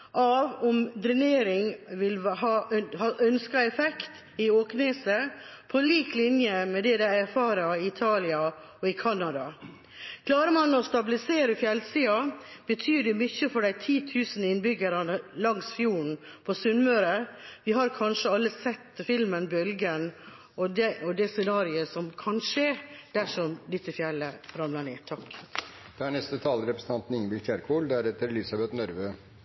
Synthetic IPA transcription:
ʔɑʋɔmd̪ɾɪneːɾɪŋʋɪlɦɑːʔhɑʔœnskɑɛfɛkt̪ | ɪoːkneːsəpʰɔliːklɪnjəmɛd̪ɛd̪æɪæɾfɑːɾəɪɪt̪ʰɑːlɪɑ | ɔɪkʰɑnːɑd̪ɑ | kʰlɑːɾəmɑnɔst̪ɑbɪlɪseːɾəfjɛlsiːɑb̥ət̪ʰyːɖɛmʏçːəfɔɖæɪt̪ʰiːt̪ʰʉːsənɪnbʏɡəɾɑnəlɑŋsfjuːɳpʰɔsʉnmøːɾəʋɪɦɑɾkʰɑnʂəɑlːəsɛt̪ːfɪlmənbœlɡən | ɔd̪ɔd̪ɛsɛnɑːɾɪəsɔmkʰɑnʂeːd̪̥æʂɔmd̪ɪt̪ːəfjɛlːəɾɑmlɑɳeːt̪ʰɑkd̪̥ɛæɳɛst̪ət̪ʰɑːləɾɛpɾəsn̩ɑnt̪n̩ɪŋnbɪlt̪ʰæɾkʰuːld̪æɾɛt̪əɾɛlɪsɑbɛt̪nɔɾʋø

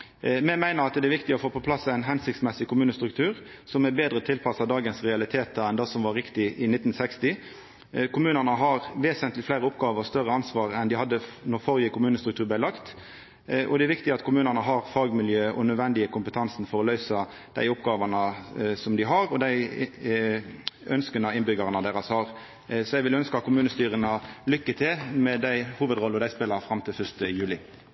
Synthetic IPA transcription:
mɛmæɪnəʁɑt̪d̪ɛæʋɪkt̪ɪɔfoːpɔpʰlɑsæɪnɦɛnsɪkt̪smɛsɪkʰʊmʉːnəst̪ɾʉk̚t̪ʰʉːɾ | sɔmɛbeːd̪ɾət̪ʰɪlpʰɑsɑd̪ɑːɡənsʁɛɑlɪt̪ʰeːt̪ɑɛnd̪ɑsɔmʋɑɾɪkt̪ɪʔɪnɪt̪ːn̩sɛkst̪ɪ | kʊmʉːnənəɦɑʁʋeːsənt̪lɪflæɪɾəʊpɡɑːʋəʁst̪œʁəɑnsʋɑːɾɛnd̪ɪhɑd̪ːənɔʁfɔʁjəkʊmʉːnəst̪ɾʉk̚t̪ʉːʁb̪æɪlɑkt̪ | ʔɔ̰d̪ɛæɾʋɪkt̪ɪɑt̪kʰʊmʉːnənəɦɑʁfɑːɡmɪljøːʔɔnœd̪ʋɛnd̪ɪəkʰʊmpət̪ʰɑnsn̩fɔɾɔlœʏsɑ | d̪̥æ̰ɪʊpɡɑːʋɑnəsɔmd̪ɪɦɑɾɔd̪æɪ | œnskənɑɪnbʏɡɑʁənəd̪eːɾɑshɑɾ | sɔɛɪʋɪlœnskəɑt̪̚kʰʊmʉːnəst̪yːɾənəlʏkːət̪ʰɪlmɛd̪æɪhuːʋəd̪ʁɔlːəɔd̪æɪspɪlɑɾfɾɑmt̪ʰɪlfœʂt̪əjʉːlɪ

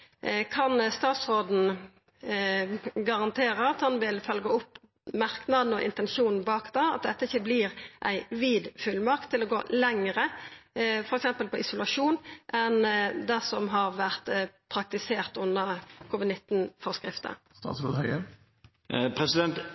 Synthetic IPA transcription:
kʰɑnst̪ɑːt̪sʁoːd̪n̩ | ɡɑʁɑnt̪ʰeːɾəɑt̪hɑnʋɪlfœlɡəʊp | mɑʁknɑd̪n̩ɔʔɪ̰nt̪ɛnʃuːnn̩bɑːkd̪ɑːɑ̰t̪̚d̪ɛt̪ːəɪçəblɪːʁʔæ̰ɪʋiːd̪fʉlmɑʁk̚t̪ʰːɪlɔɡo̰ːlɛŋəʁə | fɔɾɛksɛmpəlpɔʔɪsʊlɑʂuːnʔɛnd̪ɛsɔmɦɑʁʋæʁt̪pʰɾɑk̚t̪ɪseːʁt̪ʊnːəkʰuːʋɪd̪nɪt̪ːn̩fɔʁskʁɪft̪ə̰ | st̪ɑ̰ːt̪sɾoːd̪hœə | pʰɾɛsɪd̪ɛnt̪

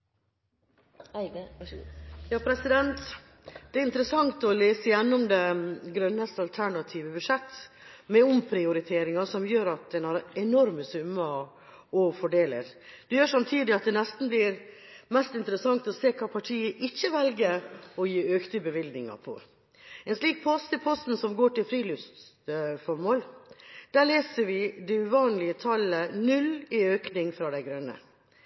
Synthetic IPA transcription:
jɑːpʰɾɛsɪd̪ɛnt̪ | d̪ɛæɾɪnt̪əɾəsɑŋt̪ɔleːsəjɛnːʊmd̪ɛɡɾœnːəst̪ɑlt̪ʰæɳɑt̪ʰiːʋəbʉʂɛt̪ː | mɛʊmpʰɾɪʊɾɪt̪ʰeːɾɪŋɑsɔmjøːɾɑt̪̚d̪ɛnhɑɾɛnɔɾməsʉmːə | ɔfɔɖeːlə̰ɾd̪̥ɛjøːʂɑmt̪ʰiːd̪ɪɑt̪̚d̪ɛnɛst̪n̩blɪɾ | mɛst̪ɪnt̪əɾəsɑŋt̪ɔseːkʰɑːpʰɑʈʰiːəʔɪçːəʋɛlɡəɾɔjiːøːkt̪əbəʋɪld̪nɪŋɑ̰ɾpʰɔ̰ | ɛnsliːk̚pʰɔst̪əpʰɔst̪n̩sɔmɡoːʈɪlfɾiːlʉst̪t̪fɔɾmoːld̪̥æːɭeːsəɾʋɪd̪ɛʉʋɑːnlɪət̪ʰɑlənʉlɪøːknɪŋfɾɑːd̪æɪɡɾœnːə̰

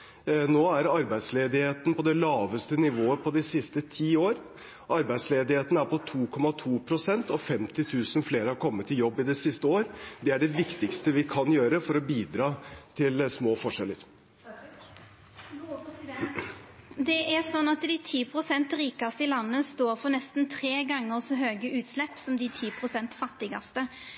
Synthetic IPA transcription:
noːæɾɑɾbæɪd̪sleːd̪ɪheːt̪n̩pɔd̪ɛlɑːʋəst̪ənɪʋoːəpʰɔd̪ɪsɪst̪ət̪ʰiːoːɾ | ʔɑɾbæɪd̪sleːd̪ɪheːt̪n̩æɾpʰɔt̪ʰuːkʰɔmɑt̪ʰuːpʰɾʊsɛnt̪ɔfɛmt̪ɪt̪ʰʉːsənfleːɾəhɑɾkʰɔmːət̪ʰːɪljɔbːɪd̪ɛsɪst̪əoːɾd̪ɛæɖɛʋɪkt̪ɪkst̪əʋɪkʰɑnjøːɾəfɔɾɔbiːd̪ɾɑːt̪ʰɪlsmoːfɔʂɛlə̰ɾ | d̪ɛʔæʁsɔnːɑt̪d̪ɪt̪ʰiːpʰʁʊsɛnt̪ɾiːkɑst̪əɪlɑnːəst̪oːɾfɔnɛst̪n̩t̪ʰʁeːɡɑŋːəʁsɔɦøːɡəʔʉːt̪slɛpːsɔmd̪ɪt̪ʰiːpʰʁʊsɛnt̪fɑt̪ːɪɡɑst̪ə

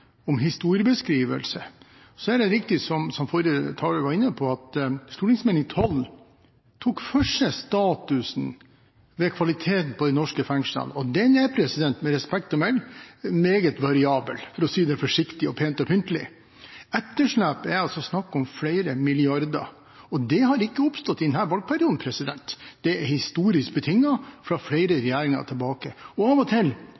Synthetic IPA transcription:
ɔmɦɪst̪uːɾɪəbəskɾiːʋə̰lsə | sɔæɖɛɾɪkt̪ɪsɔmsɔmfɔɾət̪ʰɑːɭəʋɑɾɪnːəpʰɔɑt̪st̪uːʈɪŋsmeːnɪŋt̪ʰɔl | t̪ʰuːkfœʂəst̪ɑːt̪ʉsn̩ | ʋɛkʰʋɑlɪt̪ʰeːt̪n̩pʰɔd̪ɛɪnɔʂkəfɛŋʂə̰lɔd̪ɛnɛpʰɾɛsɪd̪ɛnt̪mɛɾɛspɛkt̪ɔmɛlmeːɡət̪ʋɑɾɪɑːbə̰lfɔɾɔsiːd̪ɛfɔʂɪkt̪ɪɔpʰeːnt̪ɔpʰʏnt̪əlɪ̰ | ɛt̪ːəʂlæːpɛɾɑlsɔsnɑkːɔmfɽæɪɾəmɪlɪɑɾd̪ɑ̰ | ɔd̪ɛɦɑɾɪkːəʊpst̪ɔt̪ːɪd̪ɛnhæːɾʋɑlɡ̚pʰæɾɪuːd̪n̩pʰɾɛsɪd̪ɛnt̪d̪̥ɛɛɾhɪst̪uːɾɪsk̚bət̪ʰɪŋːɑfɾɑfɽæɪɾəɾɛjæːɾɪŋɑ̰t̪ʰɛlbɑːkəɔɑʋɔt̪ʰɪl

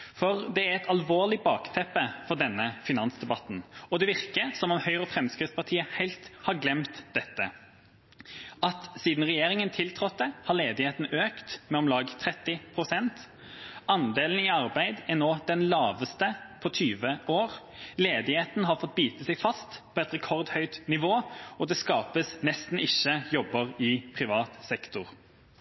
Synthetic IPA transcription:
fɔʁd̪ɛæɾɛt̪ʰɑlʋoːlɪbɑːkt̪ʰɛpːəfɔʁd̪ɛnːəfɪnɑnsd̪ɛbɑt̪n̩ɔd̪ɛʋɪʁkəsɔmɔmhœʏʁɔfɾɛmskʁɪt̪spɑʁt̪ʰiːəhæɪlt̪hɑɾɡlɛmt̪d̪ɛt̪ːə̰ | ɑt̪siːd̪n̩ʁɛjeːɾɪŋənt̪ʰɪlt̪ʰɾɔt̪̚d̪ɛhɑʁleːd̪ɪheːt̪n̩øːkt̪mɛɔmlɑːɡt̪ʰɾɛt̪ːɪpʰʁʊsɛnt̪ | ɑnd̪eːln̩ɪɑʁbæɪd̪æʁnoːd̪ɛnlɑːʋəst̪əpʰɔt̪ʰyːʋəoːʁ | leːd̪ɪheːt̪n̩ɦɑɾfɔt̪̚byːt̪əsæɪfɑst̪pʰɔɛt̪ʁɛkʰɔʁd̪hœʏt̪nɪʋoːɔd̪ɛskɑːpəsnɛst̪n̩ɪçəjɔbəʁɪpʰʁɪʋɑːt̪sɛkt̪ʊʁ

